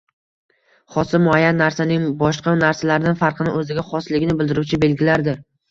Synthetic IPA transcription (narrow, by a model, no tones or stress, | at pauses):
χɒsɪmʊajanːaɾsanɪŋbɒʃqɑnaɾsalaɾɪd̪anfaɾqʰɨnɪʔɵzɪɡʲaχɒslɪɡʲɪnɪbɪld̪ɪɾuwt͡ʃʰɪbe̞lɡʲɪlaɾd̪ɪ